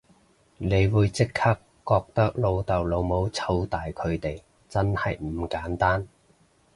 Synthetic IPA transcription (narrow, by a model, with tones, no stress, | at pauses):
ne˨˧jwuː˨˧jt͡sɪ˥kʰːaː˥kːɔː˧k̚t̪ɐ˥k̚lo˨˧wt̪ɐ˨wlo˨˧wmo˨˧˥wt͡sʰɐ˧wt̪aː˨jkʰɵ˨˧ɥt̪e˨j | t͡sɐ˥nhɐ̰˨jm̩˨˧˩kaː˨˥nt̪aː˥n